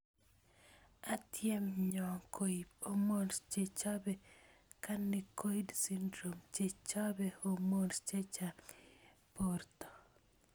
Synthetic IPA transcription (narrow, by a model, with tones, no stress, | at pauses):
a˨tjɛ˦mɲɔ˨kʰo˨i˨o˦mo˦nst͡ʃe˨t͡ʃa˦bɛ˨ka˦nːɪ˨ko˦i˦dsi˦ndɾo˨mt͡ʃe˨t͡ʃa˦bɛ˦o˨mo˦nt͡ʃe˦t͡ʃa | port̪ɔ˨